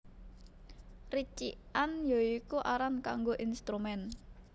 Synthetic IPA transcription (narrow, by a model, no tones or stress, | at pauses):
rit͡ʃḭanjɔikuʔaɾanka̰ŋɡoʔinst̪ɾumɛn